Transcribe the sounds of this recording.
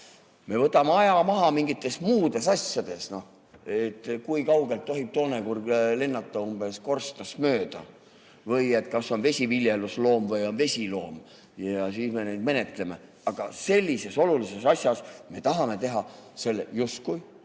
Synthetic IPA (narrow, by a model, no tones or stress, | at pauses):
me̞vɤt̪ːˑɑmeɑjɑmɑɦɑmiŋɡit̪ːˑe̞smuːd̪̥e̞sɑsʲjɑd̪̥e̞sno̞ | e̞t̪ːˑkujkɑwɡ̥elt̪ːo̞ɦib̥̚t̪o̞ːne̞kurɡlenːɑt̪ːˑɑumbe̞sko̞rst̪ɑsmø̞ːd̪̥ɑ̰ | vɤje̞t̪ˑkɑsːo̞nve̞sʲiviljeluslo̞ːmvɤjo̞nve̞sʲilo̞ːm | jɑsiːsme̞nejd̪me̞net̪ˑle̞me̞̰ | ɑɡ̥ɑse̞lʲːise̞so̞lulise̞sɑsʲjɑsme̞t̪ɑɦɑme̞t̪e̞ɦɑse̞lːejust̪kuj